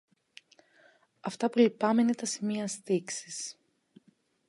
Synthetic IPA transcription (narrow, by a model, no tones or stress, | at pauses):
ɐft̪ɐpulipɐmeinet̪ɐsimiɐst̪iksis